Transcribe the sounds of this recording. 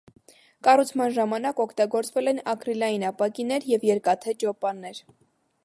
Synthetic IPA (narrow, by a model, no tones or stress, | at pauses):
kɑrut͡sʰmɑnʒɑmɑnɑkɔkʰt̪ɑɡɔɾt͡svɛlɛnɑkɾilɑjinɑpɑkinɛɾjɛvjɛɾkɑt̪ʰɛt͡ʃɔpɑnːɛɾ